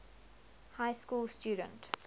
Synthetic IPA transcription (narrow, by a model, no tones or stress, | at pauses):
haɪskuːlstjuːdə̰̃nt